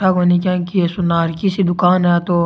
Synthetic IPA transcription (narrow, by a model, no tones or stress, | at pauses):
aɡoːnikãːkiesʊnaːɾkisid̪ʊkaːnɦɛt̪oː